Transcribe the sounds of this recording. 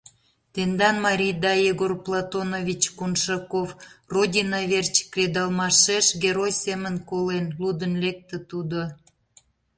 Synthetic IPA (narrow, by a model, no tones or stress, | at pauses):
t̪end̪ɑnmɑɾʲijd̪ɑjeɡorplˠɑt̪onovʲit͡ɕkunʃɑkovrodʲinɑβert͡ɕkrʲed̪ɑlˠmɑʃeʃɡʲeɾojsemənkolenlud̪ənlek̚t̪ə̆t̪ud̪o